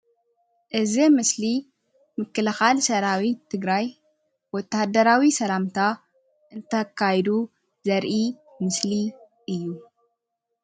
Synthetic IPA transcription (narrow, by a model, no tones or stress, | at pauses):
ʔɨzimɨsli | mɨkːɨlɐxalsɐɾawit̪ʰɨɡɾaj | wɔt̪ːahd̪ɐɾawisɐlamt̪ʰa | ʔɨnt̪ʰɐkʰːajd̪u | zɐɾʔi | mɨsli | ʔɨjːu